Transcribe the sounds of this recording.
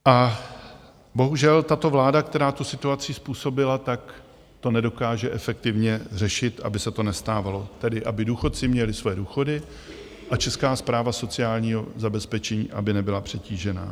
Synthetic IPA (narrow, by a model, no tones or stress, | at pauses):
ʔa | bo̞ɦuʒɛlt̪at̪o̞vlaːdakt̪ɛɾaːt̪usɪt̪uat͡sɪspuːso̞bɪlat̪ak | t̪o̞nɛdo̞kaːʒɛʔɛfɛk̚t̪ɪvɲɛr̝ɛʃɪt̪ʔa̰bɪsɛt̪o̞nɛst̪aːvalo̞t̪ɛdɪʔabɪduːxo̞t̪̚t͡sɪmɲɛlɪsvojɛduːxo̞dɪ | ʔat͡ʃɛskaːspɾaːvaso̞t͡sɪjaːlɲiːɦo̞zabɛspɛt͡ʃɛɲḭːʔa̰bɪnɛbɪlapr̝̥ɛciːʒɛna̰ː